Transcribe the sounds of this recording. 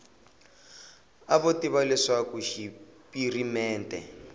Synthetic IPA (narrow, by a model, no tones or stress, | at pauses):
aβotiβalɛʂakuʃipirimɛːntʼɛ̰